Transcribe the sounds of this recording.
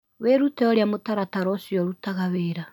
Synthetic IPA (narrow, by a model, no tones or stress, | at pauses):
weɾutɛɔɾjamotaɾataɾɔsjɔɾutaɣaweːɾa